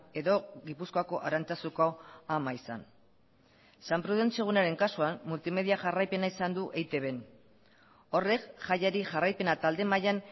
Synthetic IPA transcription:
e̞ðo̞ɣipuskoako̞ʔaɾant͡sasukoamaisa̰n | sampɾuðe̞nt͡sio̞ɣ̞unaɾe̞ŋkasuamːult̪ime̞ðiaʝarajpe̞naisand̪uʔejt̪e̞βe̞n | o̞re̞kʝajaɾiʝarajpe̞nat̪ald̪e̞majan

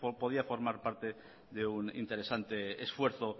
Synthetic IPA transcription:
poðiafo̞ɾmaɾpaɾt̪e | ðeunḭnt̪e̞ɾesant̪eːsfwe̞ɾθo

